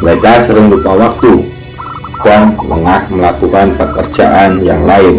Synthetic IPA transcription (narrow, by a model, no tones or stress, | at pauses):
lak̪asəɾəŋlupawak̚t̪u | kaŋnə̰ŋahməlakukanpəkər̥d͡ʒ̥a̰ʔanjaŋlaɪn